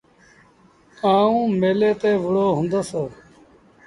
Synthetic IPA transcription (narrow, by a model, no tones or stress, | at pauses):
aːũːmeːleːt̪eːʋʊɽoːɦʊ̃nd̪əseː